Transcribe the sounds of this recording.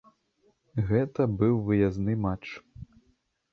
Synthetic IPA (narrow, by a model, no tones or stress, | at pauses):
ɣɛt̪ɐbɨwvɨjaznɨmat͡ʂ